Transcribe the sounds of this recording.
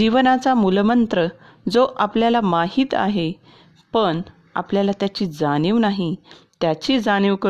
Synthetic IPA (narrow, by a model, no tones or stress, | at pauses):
d͡ʑiʋnat͡samulmənt̪ɾə | d͡zoʔapljalamaɦiːt̪a̰ɦe | pəɳ | a̰pljalat̪jat͡ɕiːd͡zaniʋnaɦit̪jat͡ɕiːd͡zaɽ̃iʋkə